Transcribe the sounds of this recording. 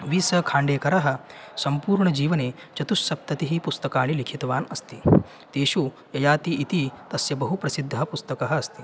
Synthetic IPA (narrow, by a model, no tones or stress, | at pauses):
ʋiːsɐkʰãːɳɖeːkɐɾɐɦɐ̆sɐmpuːɾɳɐd͡ʒiːʋɐneː | t͡ʃɐt̪usːɐp̚t̪ɐt̪iɦipust̪ɐkaːɭ̃ilikʰit̪ʋaːnɐst̪i | t̪eːʃu | jɐjaːt̪iʔit̪it̪ɐsjɐbɐɦupɾɐsid̪ʱːɐɦɐpust̪ɐkɐɦɐːst̪i